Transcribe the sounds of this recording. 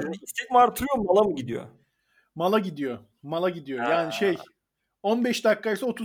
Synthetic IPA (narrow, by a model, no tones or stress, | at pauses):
init̪ʰɛc̚maɾt̪ʰɯɾɯjomalˠamɯɟid̪ijo̰ | malˠaɟid̪ijo̞ | malˠaɟid̪ijojaːniʃej | onbɛʃd̪akːaisao̞t̪ʰu